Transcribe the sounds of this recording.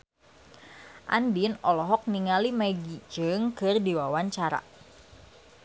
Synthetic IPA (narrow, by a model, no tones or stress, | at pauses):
ʔa̰ndinɔlɔɦɔk̚niŋalimɛɡid͡ʒɨŋkɨrdiwawaɲt͡ʃaɾa̰